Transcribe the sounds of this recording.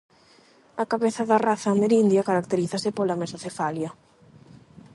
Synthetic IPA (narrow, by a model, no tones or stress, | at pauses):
ɐkaβeθɐðɐraθɐmeɾind̪jɐkaɾak̚t̪eɾiθɐsɪpolamesaθefaljɐ